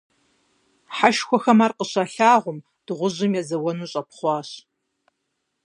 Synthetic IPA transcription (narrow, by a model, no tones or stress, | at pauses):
ħaʃxʷɔxɐmaːrqəɕaːɬaːʁʷʊm | d̥ɨʁʷʊʑɪmjɛzɐwɔnuːɕʼɐpχʷɑːɕ